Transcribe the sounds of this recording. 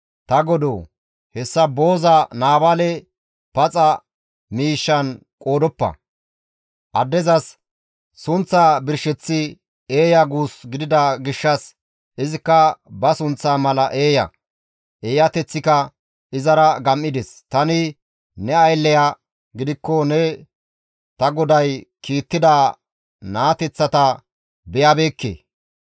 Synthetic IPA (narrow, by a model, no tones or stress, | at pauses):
t̪ɐɡɔd̪oː | hɛsːɐbo̞ːzɐnaːbalɛ | pɐt͡sʼɐ | miːʃːɐn | kʼo̞ːd̪ɔpːɐ̰ | ʔɐd̪ːɛzɐsː | ʊnt͡sːaːbɪɾʃɛt͡sːɪ | e̞ːjɐɡuːsɡɪd̪ɪd̪ɐɡɪʃːɐs | ɪzɪkːɐbɐsʊnt͡sːaːmɐlɐʔe̞ːjɐ̰ | ʔe̞ːjɐt̪ɛt͡sːɪkɐ | ɪzɐɾɐɡɐmːɪd̪ɛst̪ɐnɪ | nɛɐjlːɛjaː | ɡɪd̪ɪkːɔnɛ | t̪ɐɡɔd̪ɐjkiːt̪ːɪd̪a | naːt̪ɛt͡sːɐt̪ɐ | bɛjabe̞ːkːḛː